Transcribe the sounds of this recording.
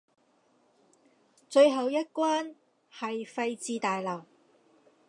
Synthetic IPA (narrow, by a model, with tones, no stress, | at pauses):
t͡ʃɵ˧ɥɦɐ˨˧wjɐ˥t̚kwaː˥n | hɐ˨jfɐ˧jt͡siː˧t̪aː˨jlɐ˨˩w